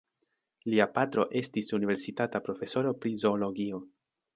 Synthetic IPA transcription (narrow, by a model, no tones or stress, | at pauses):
liapatɾo̞ʔe̞stisunive̞ɾsitatapɾo̞fe̞so̞ɾo̞pɾizo̞ːlo̞ɡio̞